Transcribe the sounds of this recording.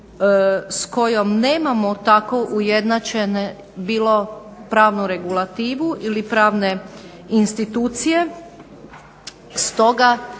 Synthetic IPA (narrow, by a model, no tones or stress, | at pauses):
sko̞jo̞mneːmamot̪ako̞ʔuje̞d̪nat͡ʃe̞ne | biːlˠo | pɾaːʋnuɾe̞ɡulˠat̪iːʋuʔilipɾaːʋne̞ | inst̪it̪uːt̪sije̞ | st̪o̞ɡa